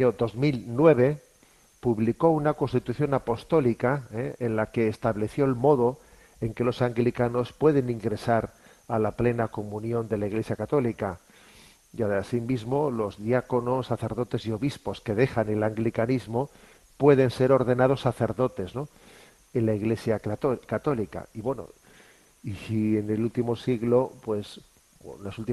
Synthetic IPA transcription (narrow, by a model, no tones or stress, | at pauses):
od̪o̞zmilnwe̞β̞e̞ | puβliko̞unakonst̪it̪uθjo̞napo̞st̪o̞likaeenlake̞ːst̪aβleθjo̞elmo̞ðo̞ | eŋke̞lo̞saŋɡlikano̞spwe̞ðe̞nĩŋɡɾe̞saɾ | alaple̞nako̞mũnjõ̞nd̪e̞laiɣle̞sjakat̪o̞lika | jaðasimizmo̞lo̞zðjako̞no̞sːaθe̞ɾð̞o̞t̪e̞sio̞βispo̞ske̞ðe̞xane̞laŋɡlikanizmo̞ | pwe̞ðe̞nse̞ɾo̞ɾðe̞nað̞osːaθe̞ɾðo̞t̪e̞zno̞ | e̞nlaiɣle̞sjakat̪o̞lika̰iβwe̞no̰ | iene̞lult̪imo̞siɣlo̞pwe̞s | nlasult̪i